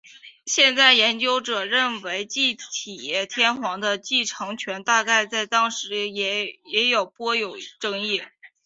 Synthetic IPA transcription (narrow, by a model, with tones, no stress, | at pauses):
ɕjɛ˥˧nt͡sa˥˩ɪjɛ˧˥nt͡ɕjo˥ʊʈ͡ʂɤ˨˩ɻə˥˩nwe˧˥ɪt͡ɕi˥˩t̪ʰi˨˩jɛ˥˩t̪ʰjɛ˥nxwɑ˧˥ŋd̪ə˧t͡ɕi˥˩ʈ͡ʂʰɤ˧˥ŋt͡ɕʰɥɛ˧˥nt̪a˥˧ka˥˧ɪt͡sa˥˧˩ɪt̪ɑ˥ŋʂɻ̩˧˥ɛ˧˥jɛ˧˥jo˨˩ʊpwɔ˥jo˨˩ʊʈ͡ʂɤ˥ŋi˥˩